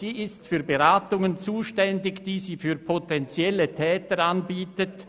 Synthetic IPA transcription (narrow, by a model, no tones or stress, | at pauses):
z̥iːɪstfyːɐbeʁaːtʊŋənt͡suːʃtɛndɪçd̥iːziːfyːɐpʰotɛnt͡sjɛlətʰɛːtəɾanbiːtət